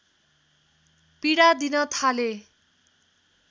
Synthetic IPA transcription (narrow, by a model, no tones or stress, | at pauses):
piɽad̪inʌt̪ʰale